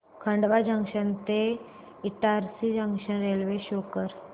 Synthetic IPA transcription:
kʰəɳɖʋad͡ʑəŋɡʂənt̪e | iʈaɾsid͡ʑə̃ŋɡʂənɾelʋeɕokəɾ

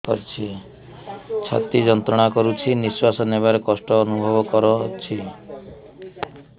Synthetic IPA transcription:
kɔɾt͡ʃʰi | t͡ʃʰa̰t̪id͡ʒɔnt̪ɾɔɽ̃akɔɾut͡ʃʰiniswasɔneβaɾekɔsʈɔːnubʱɔbɔkɔɾɔt͡ʃʰi

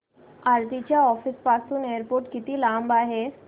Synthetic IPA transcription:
aːɾd̪it͡ʃaɔːfɪspaːsũneːɾpoːɾʈkɪt̪ilaːmbaɦɛː

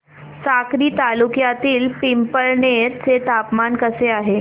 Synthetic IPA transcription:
sakɾiːt̪alukjat̪iːlpimpəɭɳeɾt͡set̪apmankəseaɦe

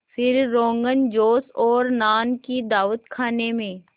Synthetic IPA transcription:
fɪɾːõːŋɡənd͡ʒoːsɔːɾnaːnkid̪aːʋət̪kʰaːnemẽː

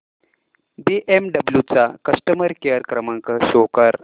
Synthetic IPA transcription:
biʔemɖəbljut͡sakəʂʈəməɾkejəɾkɾəmãŋkəɕokəɾ

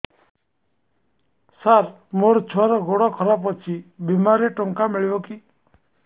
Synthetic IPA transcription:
saɾ | moɾt͡ʃʰɔɾɔɡoɽɔkʰɔɾapɔt͡ʃʰibimaɾeʈɔŋkameɭibɔki

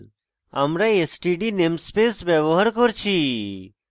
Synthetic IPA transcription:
amɾaesʈiɖinemspeːsbeʋoɦəɾkoɾt͡ʃʰi

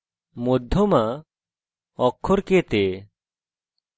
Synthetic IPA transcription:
mod̪ʱːoma | ɔkʰːɔɾket̪e

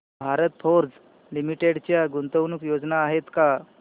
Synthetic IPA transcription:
bʱaɾət̪̚fʰoɾd͡z | limiʈeɽt͡ɕjaɡunt̪əʋnukjod͡znaːɦet̪ka

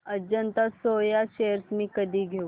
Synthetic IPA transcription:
ɐd͡ʒənt̪asoːjaʃeːəɾsmĩkɐd̪iɡʱe

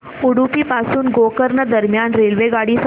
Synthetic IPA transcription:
uɽupiːpasuːnɡokəɾnəd̪əɾmjanɾelʋeɡaɽiːs

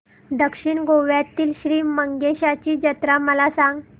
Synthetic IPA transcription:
d̪əkʂiɳɡoʋjat̪ːiːlɕɾiːməŋɡeɕat͡ɕiːd͡ʑət̪ɾaməlasãŋɡ

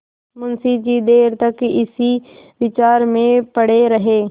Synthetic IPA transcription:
mʊnsid͡ʒid̪eːɾt̪ɐkɪsiʋɪt͡ʃaːɾmẽpɐɽeɾɐɦeː

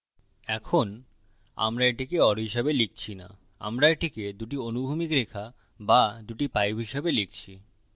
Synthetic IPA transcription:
ɛkʰon | a̰mɾaeʈikeɔɾɦiʃebelik̚t͡ɕʰina̰ | a̰mɾaeʈiked̪uʈionubʱumikɾekʰa | bad̪uʈipajbʱɦiʃebelik̚t͡ɕʰi

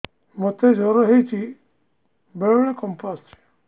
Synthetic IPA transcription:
mɔt̪ed͡ʒɔɾɔɦejt͡ʃʰi | beɭɔɭekɔmpast͡ʃʰi̥

